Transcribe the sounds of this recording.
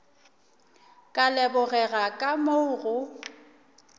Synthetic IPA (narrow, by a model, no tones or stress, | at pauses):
kʼalɛbʊɣɛɣakʼamoʊɣʊ